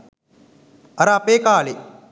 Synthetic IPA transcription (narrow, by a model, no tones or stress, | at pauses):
ɐɾaːpeːkaːle